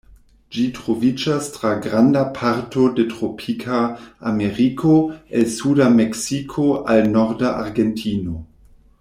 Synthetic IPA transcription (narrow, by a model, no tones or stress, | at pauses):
d͡ʒitʁovid͡ʒastʁaɡɾandapʰaɾtʰo̞detʁopʰikʰaːmeɾikʰoelsudameksikʰoʔalnoɾdaʔaɾɡentʰino